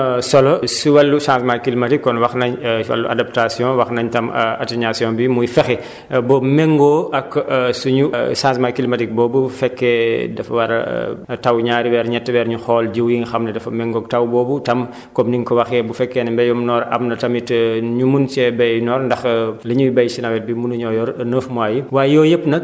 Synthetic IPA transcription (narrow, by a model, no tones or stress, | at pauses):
sɔlɔsiwɐlːusãːsmakilimɐtikːɔnwɐxnɐɲɐ̰lːua̰dap̚tasjɔ̃ːwɐxnɐɲtɐma̰tiɲasijɔ̃bimujfɛxɛ | bɔmɛŋɡoːʔɐkːsuɲusãːsmakilmatik̚bɔːbufɛkːɛːdɐfɐwɐɾɐ̰tawɲaːɾiwɛːɾɲɛtːwɛːɾɲuxɔːld͡ʒiwjiŋxɐmnɐdɐfɐmɛŋɡɔk̚tɐwbɔːbutɐm | kɔmniŋkɔwɐxɛbufɛkːɛːnɐmbɛjɔmnɔːɾɐ̰mnɐtɐmitɲumunt͡ʃɛbɛjnɔːɾndɐxlɐɲujibɐjsinɐwɛt̚bimunɐɲɔjɔɾnəːfmwaːjiwaːjɔːjəpːnɐ